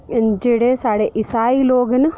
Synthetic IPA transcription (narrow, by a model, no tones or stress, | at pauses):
d͡ʒeːɽesaːɽeʔɪsaːiloːɡn